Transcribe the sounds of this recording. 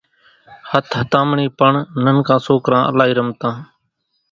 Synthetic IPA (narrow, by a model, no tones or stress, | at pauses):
hət̪ʰɦət̪ãːmɳiːpəɳnənkãːsoːkɾãːə̰laːɦiːɾəmt̪ãː